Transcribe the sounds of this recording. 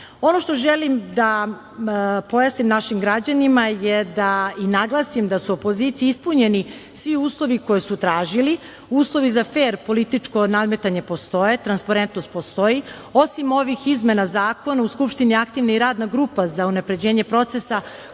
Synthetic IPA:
o̞no̞ʃt̪o̞ʒelimd̪a | po̞jasnimnaʃimɡɾad͡ʑanimajed̪ainaɡlˠasimd̪asuopo̞ziːt̪sijiispuɲe̞nisʋiuːslˠo̞ʋiko̞jesut̪ɾaːʒili | uːslˠo̞ʋizafeːɾpo̞lit̪it͡ʂko̞nad̪me̞t̪aɲe̞po̞st̪o̞jet̪ɾanspaɾent̪no̞st̪po̞st̪o̞io̞simo̞ʋixizme̞nazaːko̞nauskupʃt̪iniakt̪iʋnaiɾaːd̪naɡɾuːpazaunapɾe̞d͡ʑe̞ːɲe̞pɾo̞t̪se̞sa

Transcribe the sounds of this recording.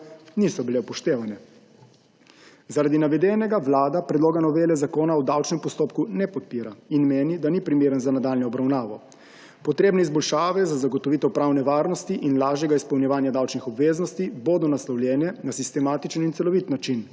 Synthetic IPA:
nisɔbilepɔʃt̪eːʋanɛ | zaɾad̪inaʋɛd̪ɛnɛɡaʋlaːd̪apɾɛd̪loːɡanɔʋeːlɛzakoːnaud̪awt͡ʃnɛmpɔst̪oːpkunɛpɔt̪̚piːɾainmeːnid̪anipɾimeːɾənzanad̪aːlnɔːbɾawnaːʋɔ | pɔt̪ɾeːbnɛizbɔlʃaːʋɛzazaɡɔt̪ɔʋit̪ɛpɾaːwnɛʋaːɾnɔst̪iʔinlaːʒjɛɡaispɐwnjɛʋaːnjad̪awt͡ʃnixɔbʋeːznɔst̪iboːd̪ɔnaslawljɛːnɛnasist̪ɛmaːt̪it͡ʃənint̪ɛlɔʋit̪nat͡ʃin

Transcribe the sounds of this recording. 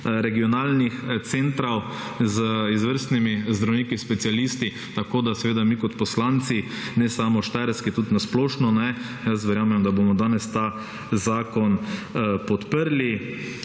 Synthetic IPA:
ɾɛɡiɔnaːlnixt̪seːnt̪ɾaw | zəizʋəɾst̪nimizd̪ɾawniːkispɛsialist̪i | t̪akoːd̪asɛʋeːd̪amikɔt̪pɔslant̪si | nɛsaːmɔʃt̪aɾskit̪ut̪nasplɔːʃnɔnɛ | jəs̬ʋɛɾjaːmɛmd̪abomɔd̪aːnɛst̪aː | zaːkɔnpɔt̪pəɾli

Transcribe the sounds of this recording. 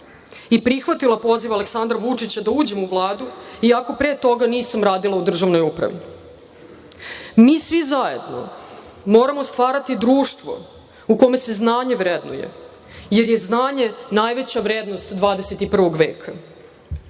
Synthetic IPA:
ipɾixʋat̪ilˠapo̞ziʋale̞ksand̪ɾaʋut͡ʂit͡ɕad̪auːd͡ʑe̞muʋlˠaːd̪uiako̞pɾeːt̪o̞ɡaniːsamɾaːd̪ilˠaud̪r̩ʒaʋno̞jupɾa̰ʋḭ | miːsʋizaje̞̰d̪no̰ | mo̞ːɾamo̞st̪ʋaːɾat̪id̪ɾuːʃt̪ʋo̞̰ | uko̞me̞se̞znaːɲe̞ʋɾed̪nṵjḛ | jeɾjeznaːɲe̞naːjʋet͡ɕaʋɾeːd̪nost̪d̪ʋaːd̪eset̪ipr̩ʋo̞ɡʋḛːkʰa

